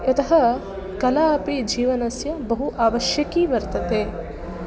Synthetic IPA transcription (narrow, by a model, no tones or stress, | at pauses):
ɐt̪ɐɦɐ | kɐlaːɐpid͡ʒiːʋɐnɐsjɐbɐɦuʔaːʋɐʃjɐkiːʋɐɾt̪ɐt̪eː